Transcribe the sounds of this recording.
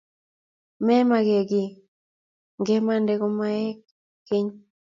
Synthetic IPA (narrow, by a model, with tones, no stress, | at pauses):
mɛ˦ma˨ɡe˨ɡɪ˨ | ŋɡɛ˦ma˦˨ndɛ˦ko˦ma˦ɛ˦k | ke˦ɲ